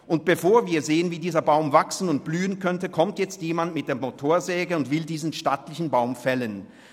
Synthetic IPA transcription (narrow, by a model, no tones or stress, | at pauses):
ʔʊnt̚b̥əfoːɐviːɐzeːənviːdiːzɐbaʊmvaksn̩ʊnt̚b̥lyːənkʰœntəkʰɔmtjɛt͡stjeːmandmɪt̚d̥eːɐmotʰoːɐzɛːɡəʊntv̥ɪldiːzn̩ʃtatlɪçn̩baʊmfɛlən